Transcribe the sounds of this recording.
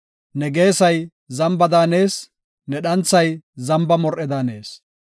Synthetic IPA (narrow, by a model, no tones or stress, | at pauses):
nɛɡe̞ːsɐj | zɐmbɐd̪aːne̞ːs | nɛɗɐnt͡sːɐjzɐmbɐmɔɾʔɛd̪aːne̞̰ːs